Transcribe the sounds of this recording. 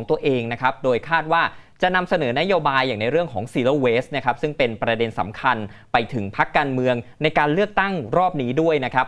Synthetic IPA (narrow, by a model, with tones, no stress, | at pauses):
ɔ˩˦t̪u˧əʔeː˧ŋna˦˥kʰɾa˦˥p̚doː˧jkʰaː˥˩t̪̚waː˥˩t͡ɕa˨ʔna˧msa˧nɤː˩˦na˦˥joː˧baː˧jːaː˨˩na˧jɾɯ˥˩əŋkʰɔː˩˦ŋsiː˧loː˧weː˦˥st̪̚na˥kʰa˦˥p̚sɯ˥˩ŋpe˧npɾa˧de˧nsa̰˩˦mkʰa˧npa˧jt̪ʰɯ˩˦ŋpʰa˦˥kːaː˧nmɯ˧əŋna˧jkaː˧nlɯ˥˩ək̚t̪a˥˩ŋɾɔː˥˩p̚niː˦˥du˥˩əjna˦˥kʰɾa˦˥p̚